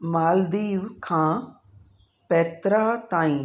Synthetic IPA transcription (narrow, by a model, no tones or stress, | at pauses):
maːld̪iːʋkʰãː | pɛːt̪ɾaːt̪aːĩ